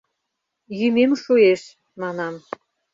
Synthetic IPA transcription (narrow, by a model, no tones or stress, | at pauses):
jymemʃueʃ | mɑnɑm